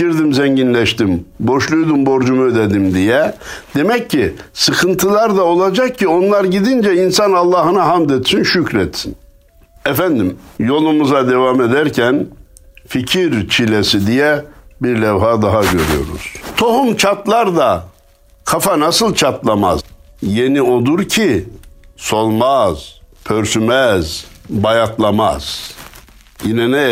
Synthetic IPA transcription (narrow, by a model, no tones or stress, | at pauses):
iɾd̪imzɛɲɟinlʲɛʃt̪imbo̞ʃlˠujd̪umbo̞ɾd͡ʒumuød̪ɛd̪imd̪ijɛd̪̥e̞mɛcːisɯkʰɯnt̪ʰɯlˠaɾd̪ao̞lˠad͡ʒak̚cʰːio̞nlˠaɾɟid̪ind͡ʒɛinsanalˠːaːɦɯnaɦamd̪et̪sinʃycɾɛt̪sin | ɛfænd̪imjo̞lˠumuzad̪e̞vame̞d̪æɾcʰæn | ficʰiɾt͡ʃʰilʲesid̪ijɛbiɾlʲɛvɦaːd̪aɦaɟø̞ɾy̰jo̞̰ɾṵz̥t̪ʰo̞humt͡ʃʰat̪lˠaɾd̪a | kʰafanasɯlˠt͡ʃʰat̪lˠama̰zje̞nio̞d̪uɾcʰi | so̞lˠmaz̥pʰøɾsymɛz̥bajat̪lˠama̰z̥ | jinɛnɛ